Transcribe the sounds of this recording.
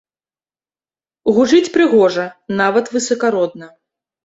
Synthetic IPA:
ɣuʐɨt͡sʲpɾɨɣɔʐɐnavɐt̪vɨsɐkaɾɔd̪nɐ

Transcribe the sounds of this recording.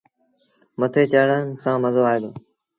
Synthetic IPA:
mət̪ʰeːt͡ʃəːɽənsãːməzoːaːɦeːd̪oː

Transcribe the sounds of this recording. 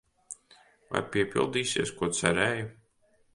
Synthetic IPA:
va̰jpʲiɛpʲḭlˠd̪iːsiɛskuɔt̪sɛɾɛːju

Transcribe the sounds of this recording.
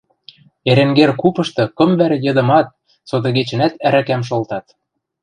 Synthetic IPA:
eɾeŋɡerkupɤ̆ʃt̪ɤ̆kɤ̆mβæɾĕjɤ̆d̪ɤ̆mɑt̪̚ | sot̪ɤ̆ɡet͡ɕɘ̆næt̪æɾækæmʃ̬olt̪ɑt̪

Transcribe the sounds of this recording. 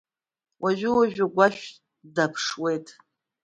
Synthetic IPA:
wʔaʒʷᶣʊwaʒᶣaɡʷaʃᶣ | dapʰʂwe̞jtʼ

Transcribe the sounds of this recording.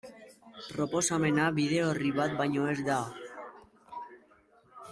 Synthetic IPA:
pɾo̞po̞same̞naβið̞e̞oriβat̪̚bajɲo̞ezd̪a

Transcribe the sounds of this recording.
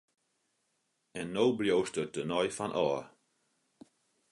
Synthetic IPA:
ɛnːowbljowstət̚dənɔjfanʔɔː

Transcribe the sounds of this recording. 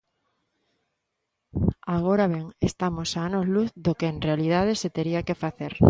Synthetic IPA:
aɣoɾaβeŋest̪amosanozluθðokeːŋrealið̞að̞eset̪eɾiakefaθeɾ

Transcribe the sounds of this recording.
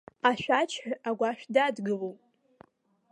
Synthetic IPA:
aʃʷᶣat͡ʃʰħaɡʷaʃᶣdadɡɨlowpʼ

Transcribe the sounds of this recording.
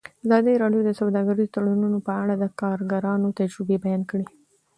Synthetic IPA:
azɑd̪iɾɑɖjod̪əsawd̪ɑɡaɾizot̪aɽununopəaɽad̪əkɑɾɡaɾɑnot̪ad͡ʒɾɪbebajɑnkɽi

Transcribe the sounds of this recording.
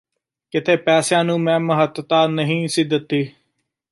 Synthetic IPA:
kɪt̪ʰeːpɛːsjãːnũːmɛ̃ːməɦət̪t̪aːnəɦĩːsɪd̪ət̪ːiː

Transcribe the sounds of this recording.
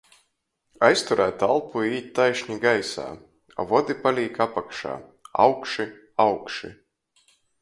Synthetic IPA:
ajst̪uɾæːt̪alˠpuiːt̪̚ʲt̪ajʃɲiɡajsa̰ː | a̰vɔd̪ipalʲiːkapakʃa̰ːa̰wkʃi | awkʃḭ

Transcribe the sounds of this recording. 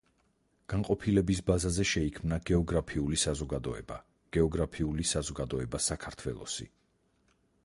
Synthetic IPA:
ɡ̥aŋqʼɔpʰilɛbisbazazɛʃɛikʰmnaɡɛɔɡɾapʰiulisazɔɡad̪ɔɛba | ɡ̥ɛɔɡɾapʰiulisazɔɡad̪ɔɛbasakʰaɾt̪ʰwɛ̰lˠɔ̰sḭ

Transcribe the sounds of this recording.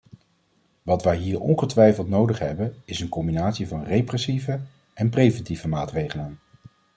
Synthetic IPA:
ʋɑtʋəjɦiːɹɔ̰nχətʋɛjfəlˠtnowdəχɦɛbənɪsənkɔmbinaːtsivɑnrejprɛsivə | ɛnprejvɛntivəmaːtrejχələn

